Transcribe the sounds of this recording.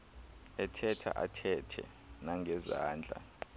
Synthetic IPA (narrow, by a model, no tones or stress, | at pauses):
ɛtʰɛtʰa̰ʔatʰɛtʰɛ̰ | naŋʱɛzaːnd͡ɮʱa̰